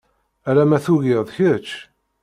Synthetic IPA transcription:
æɾæmæθuʝɪðˤçət͡ʃː

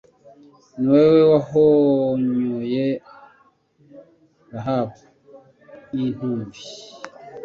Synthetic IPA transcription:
niwewewaɦoɲoje | baɦapu | in̥uːvi

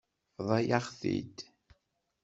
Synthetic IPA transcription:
ðˤɑjaχθḭd̪

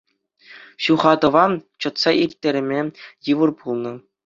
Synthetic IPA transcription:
ɕuχɑd̪ɤ̆ʋɑnt͡ɕɤ̆t̪sɑʔirʲt̪ʲːeɾʲɘ̆mʲejɯʋɤ̆rpulˠnɤ̆

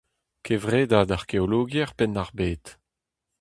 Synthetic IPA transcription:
kʰevʁeːdadaʁkeoloːɡjɛʁpɛnaʁbeːt̪

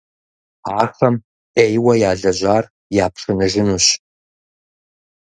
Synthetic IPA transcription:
aːrχɐm | ejwɐjaːɮɐʑʷaːr | jaːpʂʰɨnɨʒɪnuːɕ

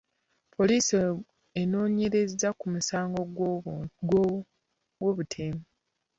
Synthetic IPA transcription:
pʰo̞liːsi | eno̞ːɲe̞ɾe̞zakumusaːŋɡo̞ɡɡo | woːβutʰeːma

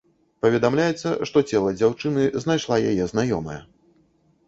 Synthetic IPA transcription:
pɐvʲɛd̪amlʲajɛt̪sːɐ̰ʂt̪ɔt͡sʲɛlˠɐd͡zʲawt͡ʂɨnɨznajʂlˠajajɛznajɔmɐ̰jɛ

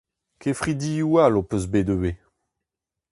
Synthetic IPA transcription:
kʰefχid̪iualopøzbed̪øwe

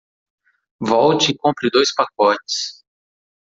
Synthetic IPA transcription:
vɔwt͡ʃɪikõmpɾɪd̪ojspak̚ɔt͡ʃɪ̥s

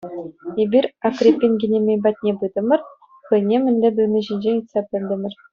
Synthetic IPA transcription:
ebʲirʲakrʲipʲːenʲɡʲinʲemʲejbɑt̪̚ʲnʲebɯd̪ɤ̆mʲɘ̆r | χɤ̆jnʲemʲɘ̆nʲlʲɘ̆bʲɘ̆lnʲɘ̆ʑinʲd͡ʑenʲit̪sɑpʲɘ̆lʲd̪ʲɘ̆mʲɘ̆r

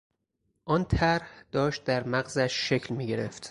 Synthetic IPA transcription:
ʔɒːnt̪ʰæɾhd̪̥ɒːʃt̪̚d̪æɾmæɣzæʃːecʰlmiːɟe̞ɾeft̪

